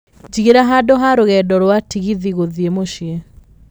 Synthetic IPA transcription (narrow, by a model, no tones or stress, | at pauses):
d͡ʒiɣeɾaɦadoɦaɾoɣɛdɔɾwatiɣiðiɣoðiemoɕie